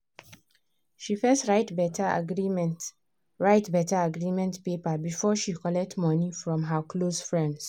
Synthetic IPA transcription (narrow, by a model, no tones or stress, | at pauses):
ʃifɛstɹaɪtbɛta̰ɡɹim | ɹaɪtbɛtaaɡɹimɛ̃ntpepabifɔʃikɔlɛk̚tmɔnifɹɔ̃mɦakʰlosfɹɛ̃nds